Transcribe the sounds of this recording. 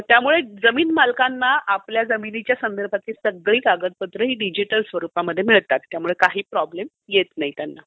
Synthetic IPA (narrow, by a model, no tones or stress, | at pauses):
t̪jamuɭed͡zəmiːnmalkanːaʔapljad͡zəminit͡ɕjasənd̪əɾbʱat̪iːsəɡɭiːkaɡət̪̚pət̪ɾəɦiːɖid͡ʑiʈəlsʋəɾupaməd̪ʱːjemiɭt̪at̪ːjamuɭekaɦiːpɾɔblem | jet̪naɦit̪janːa